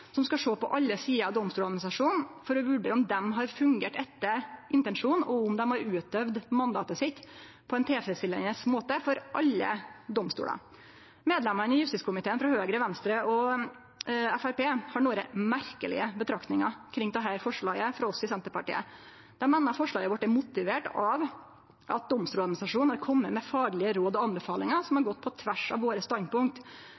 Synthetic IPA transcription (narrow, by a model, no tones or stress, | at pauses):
sɔmskɑʂoːpɔʔɑlːəsiːəɑʋd̪ɔmst̪uːɭɑd̪mɪnɪst̪ɾɑʂuːnfɔɾɔʋʉɖəʊmd̪ɛmɦɑɾfʉŋɡeːʈɛt̪ːəɾʔɪnt̪ɛnʂuːnɔʊmd̪ɛmhɑɾʉːt̪̚d̪œʋd̪mɑnd̪ɑːt̪əsɪt̪ː | pʰɔɛnt̪ʰeːfɾɛst̪ɪlːənəsmoːt̪əfɔɾʔɑlːə̰d̪ɔmst̪ṵːlɑ̰ | meːd̪lɛməɾnɪjʉst̪ɪskʰʊmɪt̪eːnfɾɑhøːɡɾəʋɛnst̪ɾəʔɔ | ɛfæɾpeːhɑɳuːɾəmæɾkəlɪ̰əbət̪ʰɾɑkt̪nɪŋɑkʰɾɪŋːd̪ɛɦæːɾfɔʂɭɑːɡəfɾɑɔsɪsɛnt̪əpɑʈḭːə̰ | d̪̥ɛmɛnːɑfɔʂɭɑːɡəʋɔʈːæmʊt̪ɪʋeːʈɑʋ | ʔɑt̪̚d̪ɔmst̪ɾuːɑd̪mnsɾɑʂuːnnhɑɾkʰɔmːəmɛfɑːɡɭɪəɾoːd̪ɔɑnbəfɑːlɪŋɑsɔmhɑɾɡɔt̪̚ːpʰɔt̪ʰʋæʂɑ̰ʋːoːɾəst̪ɑnd̪pʊŋkt̪